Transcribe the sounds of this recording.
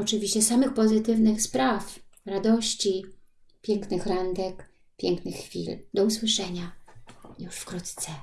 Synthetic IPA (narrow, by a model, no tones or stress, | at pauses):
ɔt͡ʂɘvʲiɕt͡ɕɛsamɘxpɔzɘt̪ɘvnɘxspɾafɾad̪ɔɕt͡ɕi | pʲjɛŋknɘxɾand̪ɛk | pʲjɛŋknɘxːfʲḭld̪ɔuswɘʂɛɲajuʂfkɾut̪t̪sɛ